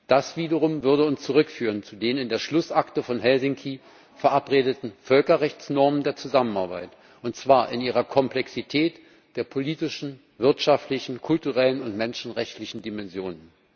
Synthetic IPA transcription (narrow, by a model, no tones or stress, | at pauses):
d̥asv̥iːdɐʁʊmvʏɐdəʊnst͡suʁʏkfyːʁənt͡sudeːnɪndeːɐʃlʊsʔaktəfɔnɦɛlzɪŋkʰi | fɛɐʔapʁeːdətn̩fœlkɐʁɛçt͡snɔɐməndeːɐt͡suzamənaɐbaɪt | ʔʊntt͡sv̥aːɐʔɪniːʁɐkʰɔmplɛksitʰɛːt | d̥eːɐpʰoliːtɪʃn̩ | vɪɐtʃaftlɪçn̩kʰʊltuʁɛlənʊntmɛnʃn̩ʁɛçtlɪçn̩dimɛnzjoːnən